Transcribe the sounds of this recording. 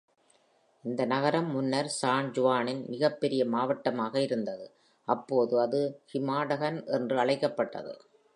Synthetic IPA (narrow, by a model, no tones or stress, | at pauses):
ɪnd̪ɐnɐɣɐɾɐmːʊnːɐɾsaːnd͡ʒʊʋaːnɪnmɪɣɐpːɛɾɪjɐmaːʋɐʈːɐmaːɣɐɪɾɯnd̪ɐðɯ | ʔɐpːoːðɯɐðɯhɪmaːɽɐɣɐnʔɛndrɯɐɭɐɪkːɐpːɐʈːɐ̰ðɯ̰